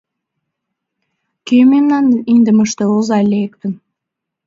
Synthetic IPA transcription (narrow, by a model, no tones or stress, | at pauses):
kememnɑnind̪ə̆məʃt̪eozɑlʲek̚t̪ən